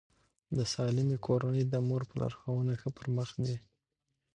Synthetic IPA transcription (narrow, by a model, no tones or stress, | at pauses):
d̪əsɑlɪmikʰoɾanəjd̪əmoɾpəla̰ɾxawənaxəpəɾməxd̪i